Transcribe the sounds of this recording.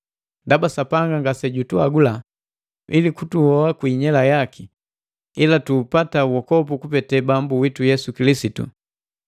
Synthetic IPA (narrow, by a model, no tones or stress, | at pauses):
ndabasapaŋɡaŋɡasɛɟutuaɡula | ʔḭlikutuhɔakwiɲɛlajakʰi | ilatuːpatawɔkɔpukupɛtɛbambuwitujɛsukilisitṵ